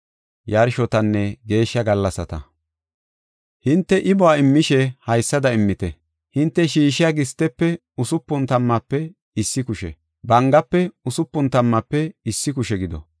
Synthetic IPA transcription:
jɐɾʃɔt̪ɐnːɛɡe̞ːʃːɐɡɐlːɐsɐt̪ɐ̰ | hɪnt̪ːɛʔɪbɔaɪmːɪʃɛhɐjsːɐd̪ɐɪmːɪt̪ɛ | hɪnt̪ːɛʃiːʃɪjaɡɪst̪ːɛpːɛ | ʊsʊpːʊnt̪ɐmːɐpːɛ | ɪsːɪkʊʃɛ̰ | bɐŋɡɐpːɛʊsʊpːʊnt̪ɐmːɐpːɛɪsːɪkʊʃɛɡɪd̪ɔ̰

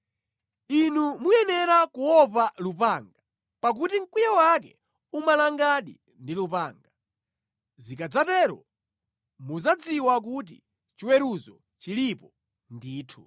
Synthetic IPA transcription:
inumujɛnɛɾakuwɔpalupaŋɡa | pak̬utiŋ̩kujawak̬ɛ̰ | umalaŋɡaɗḭ | ndilupaːŋɡa | zikad͡zatɛɾɔ̰ | muzad͡ziwak̬ut̬ḭ | t͡ʃiwɛɾuzɔ̰ | t͡ʃilipɔ | ndiːtʰu

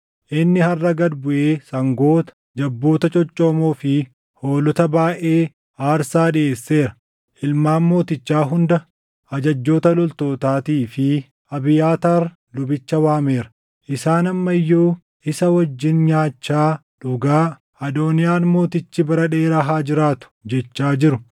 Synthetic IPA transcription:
ʔɪnːɪhɐrːɐɡɐd̪bʊʔeːsɐŋɡo̞ːt̪ɐ̥ | d͡ʒɐbːo̞ːt̪ɐt͡ʃʼɔt͡ʃʼːoːmoːfɪ | ho̞ːlɔt̪ɐbaːʔe̞ː | ʔaːɾsaːᶑɪeːsːe̞ːɾɐ̥ | ʔɪlmaːnmo̞ːt̪ɪt͡ʃːaːɦʊnd̪ɐ | ʔɐd͡ʒɐd͡ʒːo̞ːt̪ɐlɔlt̪oːt̪aːt̪iːfɪ | ʔɐbɪjaːt̪ɐɾ | lʊbɪt͡ʃːɐwaːme̞ːɾɐ̥ | ʔɪsaːnɐmːɐɪjːoː | ʔɪsɐwɐd͡ʒːɪnɲaːt͡ʃːaː | ᶑʊɡaː | ɐd̪o̞ːnɪjaːnmo̞ːt̪ɪt͡ʃːɪbɐɾɐᶑeːɾɐɦaːd͡ʒɪɾaːt̪ʊ̥d͡ʒɛt͡ʃːaːd͡ʒɪɾʊ

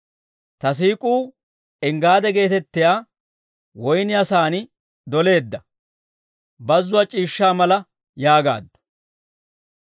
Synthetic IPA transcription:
t̪ɐs̬iːkʼuː | ɪŋɡaːd̪ɛɡe̞ːt̪ɛt̪ːɪjaː | wɔjnɪɐsaːnɪ | d̪ɔle̞ːd̪ːɐ | bɐzːʊwɐt͡ʃʼiːʃːaːmɐlɐ | jaːɡa̰ːd̪ːʊ̥

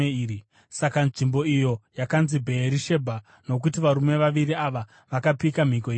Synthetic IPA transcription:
eiːi | sakanʐimbo̞ijo̞jakanzibʱe̞ːɾiʃe̞bʱa | no̞k̬utiʋaɾume̞ʋaʋiɾiaʋa | ʋakapikam̤iko̞iː

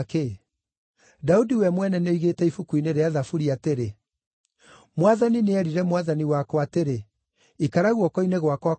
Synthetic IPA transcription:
ke | daudiwɛmwɛnɛneoiɣetɛifukuineɾeaðafuɾiateɾe | mwaðanineɛɾiɾɛmwaðaniwakɔateɾe | ikaɾaɣwɔkɔineɣwakwa

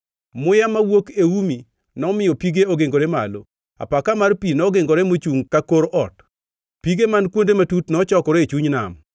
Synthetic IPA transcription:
mʊjamawokeumi | nɔmɪjɔpiɡeoɡeŋɡoɾemalo | a̰pakamarpinɔɡeŋɡoɾɛmot͡ʃuŋkakoɾʔɔt | piɡemankwondematutnɔt͡ʃɔkɔɾeet͡ʃuɲna̰m

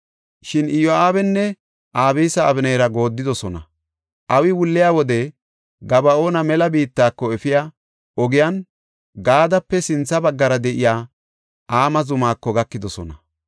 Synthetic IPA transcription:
ʃɪnɪjɔaːbɛnːɛ | ʔaːbiːsɐːbɪnɛjɾɐɡo̞ːd̪ːɪd̪ɔsɔnɐ | ʔɐwɪwʊlːɪjaːwɔd̪ɛ | ɡɐbɐo̞ːnɐmɛlɐbiːt̪ːaːkːɔɛfɪjaː | ʔɔɡɪjɐn | ɡaːd̪ɐpːɛsɪnt͡sːɐbɐɡːɐɾɐd̪ɛʔɪjaː | ʔaːmɐzʊmaːkːɔɡɐkːɪd̪ɔsɔ̰nɐ

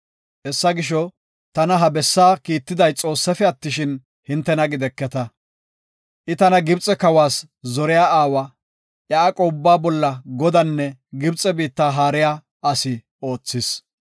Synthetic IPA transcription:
ʔɛsːɐɡɪʃ̬ɔ | t̪ɐnɐɦɐbɛsːaːkiːt̪ːɪd̪ɐjt͡sʼo̞ːsːɐfɛɐt̪ːɪʃɪn | hɪnt̪ːɛnɐɡɪd̪ɛkːɛt̪ɐ | ʔɪt̪ɐnɐɡɪbt͡sʼɛkɐwaːs | zɔɾɛjaːaːwɐ | ʔjɐːkʼɔbːaːbɔlːɐɡɔd̪ɐnːɛɡɪbt͡sʼːɛbiːt̪ːaːɦaːɾɪjaː | ʔɐsɪ | o̞ːt͡sːɪs

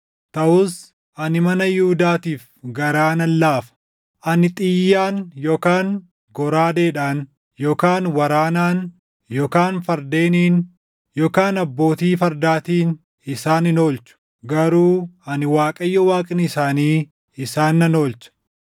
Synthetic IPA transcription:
t̪ɐʔʊs | ʔɐnɪmɐnɐjuhʊd̪aːt̪iːf | ɡɐɾaːnɐlːaːfɐ̥ | ʔɐnɪt̪ʼɪjːaːnjo̞ːkaːŋ | ɡɔɾaːd̪eːᶑaːn | jo̞ːkaːnwɐɾaːnaːn | jo̞ːkaːnfɐɾd̪e̞ːniːn | jo̞ːkaːnɐbːo̞ːt̪iːfɐɾd̪aːt̪iːn | ɪsaːnɪno̞ːlt͡ʃʊ̥ | ɡɐɾuːɐnɪwaːkʼɐjːɔwaːkʼɪnɪɪsaːniː | ɪsaːnːɐno̞ːlt͡ʃɐ̥

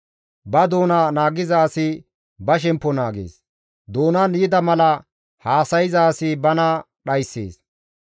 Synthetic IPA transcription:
bɐd̪o̞ːnaːnaːɡɪzaːsɪ | bɐʃ̬ɛmpːɔnaːɡḛːs | d̪oːnɐnjɪd̪ɐmɐlɐ | haːsɐjɪzaːsɪbɐnɐ | ɗɐjsːḛːs

